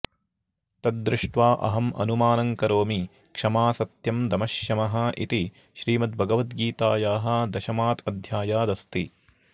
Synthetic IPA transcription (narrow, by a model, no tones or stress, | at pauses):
t̪ɐd̪̚d̪ɾɪʂʈʋaːʔɐ̰ɦɐmɐ̰numaːnɐŋkɐɾoːmi | kʂɐmaːsɐt̪jɐmd̪ɐmɐʃjɐmɐɦɐ̆ʔḭt̪i | ʃɾiːmɐt̪̚bʱɐɡɐʋɐt̪ɡiːt̪aːjaːɦɐ̆d̪ɐʃɐmaːt̪ɐd̪ʱjaːjaːd̪ɐst̪i